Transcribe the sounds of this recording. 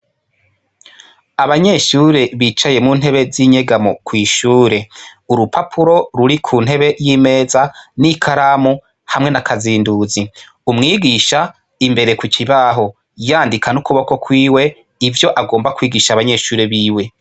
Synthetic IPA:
aβaɲe̞ʃuːɾe̞βit͡ʃaje̞muːn̥ɦe̞βe̞ziɲe̞ɡamokwiːʃuːɾe̞uɾupapʰuɾo̞ɾuɾikʰuːn̥e̞βe̞jiːme̞ːzanikʰaɾamu | hamŋe̞nakaziːnduzi | umŋiːɡiʃa | imbe̞ɾe̞kukiβaɦo̞ | jaːndikʰanukuβoko̞kwiːwe̞ | ivjo̞ʔaɡo̞ːmbakwiːɡiʃaβaɲe̞ʃuːɾe̞βiːwe̞

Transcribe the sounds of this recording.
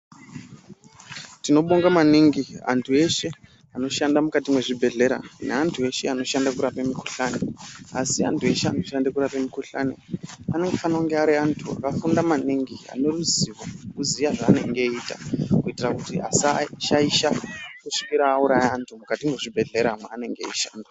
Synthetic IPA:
tino̞ɓoŋɡamaniŋɡia̰ntʰue̞ʃe̞ | ano̞ʃandamukatimwe̞ʐibʱe̞ɮe̞ɾa̰neantʰue̞ʃe̞ano̞ʃandakuɾapemikuɬane̞̰asia̰ntʰue̞ʃea̰ntoʃandekuɾapemikuɬa̰nḛane̞ŋɡefanaoŋɡeaɾiantʰua̰kafundamaniŋɡia̰ne̞ruziʋokuzijaʐaːne̞̰ŋɡe̞iːta̰kuitirakutia̰saʃaiʃakuʂi̥kiɾaːuɾajaːntʰumukatimwe̞ʐibʱe̞ɮe̞ɾamweane̞ŋɡeḛʃa̰ːnda

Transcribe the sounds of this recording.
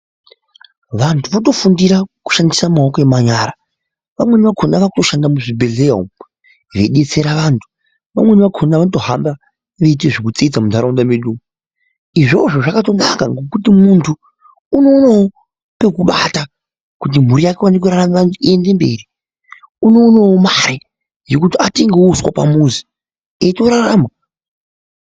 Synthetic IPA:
ʋantʰuʋoto̞fundiɾaku̥ʃandisamaokoemaɲaːɾa | ʋamwe̞niʋakʰonaʋakuto̞ʃandamuʐibʱe̞ɮeo̰m | ʋe̞ɗe̞t͡se̞ɾaʋaːntʰu̥ | ʋamwe̞niʋakʰonaʋanoto̞ɦa̰mba | ʋeit̬eʐikut͡siid͡zamundʱaɾondameɗum | iʐo̞ʐo̞ʐakato̞nakaŋɡo̞kutimuntʰuː | no̞ːnawo | pe̞kuɓata | kut̬im̤uɾijakewanek̬uraramaʋantʰuiende̞mbe̞̰ri | uno̞ːnawomaɾe | jokutiatiŋɡeuswa̰pa̰muːzi | eto̞ɾaraːma

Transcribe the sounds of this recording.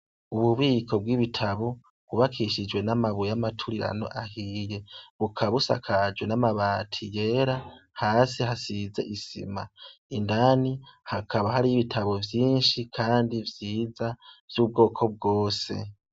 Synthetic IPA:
uβuβiːkʰo̞b̚ɡwiβitʰaβo | βuβakʰiʃid͡ʒwe̞namaβujamatʰuɾiɾa̰no̞̰ʔahiːje̞βukʰaβusa̰kʰad͡ʒwe̞namaβaːtʰije̞ːɾahaːsihasize̞̰ʔisḭma̰indanihakʰaβahaɾijiβitʰaβo̞vjiːnʃikʰaːndivjiːzav̥juːb̚ɡo̞ːkʰo̞b̚ɡo̞ːse̞̰

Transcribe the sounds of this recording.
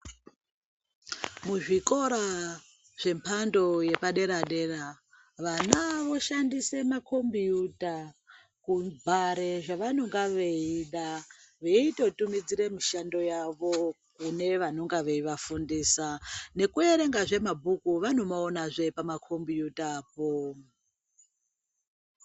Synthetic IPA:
muʐiko̞ɾa | ʐ̥e̞mpʰando̞je̞paɗe̞ɾaɗe̞ra | ʋanaʋo̞ʃandise̞makʰo̞mbijuta | kubʱaɾe̞ʐaʋano̞ŋɡaʋeiɗaʋeito̞tumid͡ziɾemiʃando̞jaʋo̞ | kune̞ʋano̞ŋɡaʋe̞iʋafundiːsane̞kue̞ɾe̞ŋɡaʐe̞mabʱukuʋano̞maonaʐe̞pamakʰo̞mbijutːpo̞

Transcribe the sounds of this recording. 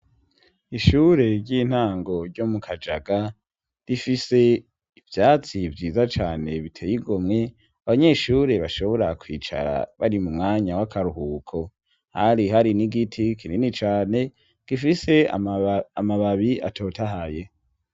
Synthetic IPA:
iʃuːɾe̞ɾɟiːn̥aːŋɡo̞ɾɟo̞mukʰad͡ʒaɡa | ɾifise̞ | ivjaːt͡sivɟiːzat͡ʃaːne̞βitʰeːjiɡomŋe̞ | aβaɲe̞ːʃuːɾe̞βaʃo̞βo̞ɾakwiːt͡ʃa̰ɾa̰βa̰ɾimumŋaːɲawakʰaɾuhuːkʰo̞ | haɾiɦaɾiniɡitʰikʰininit͡ʃaːne̞ | ɡ̥ifise̞ | amaβaβia̰tʰo̞ːtaɦaje̞

